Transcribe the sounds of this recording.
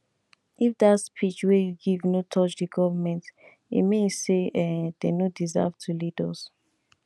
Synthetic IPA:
ʔifdatspʰit͡ʃwejuɡivnotʰɔt͡ʃdiɡɔvamɛ̃nt | ḭmeseɛd̥enodiza̰vtʰulidɔs

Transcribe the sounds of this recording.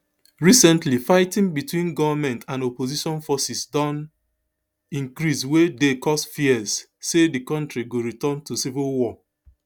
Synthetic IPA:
ɹisɛ̃ntlifaɪtĩŋbitwĩnɡɔvamɛ̃ntʰãnopoziʃɔ̃nfɔsisdɔ̃n | ĩŋkɹiswedekɔstfiɛsː | edikɔ̃ntɹiɡoɹitɔ̃ntusivilwɔ

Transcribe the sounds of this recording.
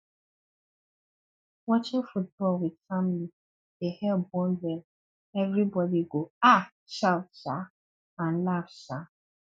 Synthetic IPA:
wɔt͡ʃɪ̃ŋfut̚bɔlwɪdfamli | ehɛbɔ̃ndɛl | ɛvɾibɔdiɡoa | ʃaʊtʃa | ãn̩lafʃa

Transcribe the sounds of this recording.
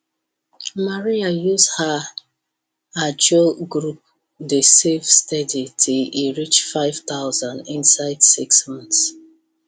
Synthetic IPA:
maɹiajusha | ad͡ʒoɡɹup̚ | desevstaditʰuiɹit͡ʃfaɪv̥t̪aʊzãndĩnsaɪdsiksmãns

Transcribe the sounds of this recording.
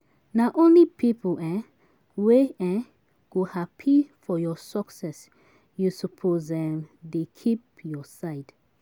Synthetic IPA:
naʔõnlipʰipʰuɛ̃ | weɛ̃ | ɡ̥ohapʰifɔjɔsɔksɛs | jusɔpʰozɛ̃mdekʰipjɔsaɪd̥

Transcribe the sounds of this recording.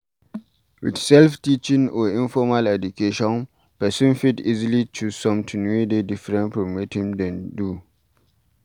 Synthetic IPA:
wḭdsɛlftit͡ʃĩŋɔĩnfɔmalɛdukeʃɔ̃n | pɛsĩnfitizilit͡ʃuzsɔ̃mtʰundedifɹɛ̃npɹɔmethĩmdɛ̃ndu

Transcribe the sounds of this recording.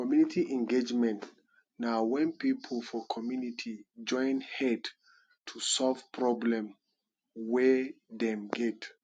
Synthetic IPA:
kɔmjunitʰiʔɛ̃nɡed͡ʒmɛ̃nt | naʊwɛ̃npipʰəlfɔkʰɔmjunitʰid͡ʒɔ̃ɪ̃nhɛd | tʰusɔlv̥pʰɹɔblɛ̃m | wɛðɛ̃mɡɛt

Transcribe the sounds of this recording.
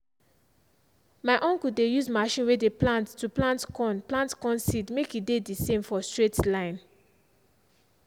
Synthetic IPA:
maɪʔɔ̃ŋkudejuzmaʃĩnwedeplãntːuplãntkɔ̃nplãntkɔ̃nsidmekidedisẽmfɔstɹetlãɪ̃n

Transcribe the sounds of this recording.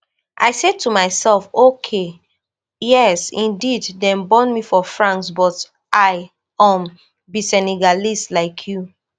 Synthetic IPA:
ʔa̰ɪsed̚tʰumaɪsɛlfokʰe | jɛsĩndiddɛ̃nbɔ̃nmifɔfɹãnksbɔt | ʔaɪ | ãm | bisɛnɛɡalislaɪkʰju

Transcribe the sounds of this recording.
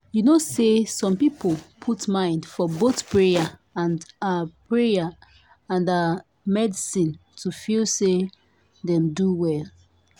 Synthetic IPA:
junosesɔ̃mpipolpʰutmãɪ̃ndfɔboθpʰɹejaãndapʰɹeja | ãndə | mɛdisĩntʰufilse | ðɛ̃mduwɛl

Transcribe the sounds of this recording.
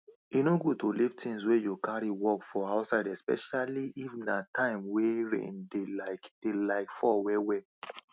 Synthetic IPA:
inoɡotolivtʰĩŋs̬wejukaɹiwɔkfɔaʊtsaɪdɛspɛ̰ʃaliʔivnatʰãɪ̃mweɹḛ̃ndelaɪkd̥elaɪkfɔwɛwɛ

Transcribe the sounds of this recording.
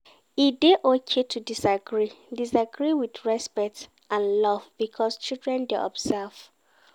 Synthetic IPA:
ideʔokʰetʰudisaɡɹidisaɡɹiwiθɹɛspɛk̚t | ãnlɔvb̥ikʰɔst͡ʃildɹɛ̃ndeʔɔ̰bzɛv̥

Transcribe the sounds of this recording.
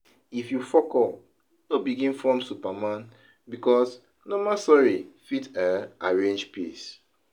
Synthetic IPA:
ifjufɔkɔ | nobiɡĩnfɔ̃msupamãn | bikɔs | nɔmasɔɹifitaaɹẽnd͡ʒpes

